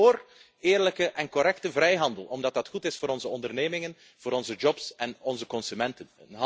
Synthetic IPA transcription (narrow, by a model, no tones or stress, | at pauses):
oːr | eːrləkəʔɛnkɔɾɛktəvrɛjɦɑndəlˠɔmdɑt̚dɑtxutɪsfoːɾɔnzəɔndərneːmɪŋən | v̥oːɾɔnzəd͡ʒɔpsɛnɔnzəkɔnsymɛntənɦ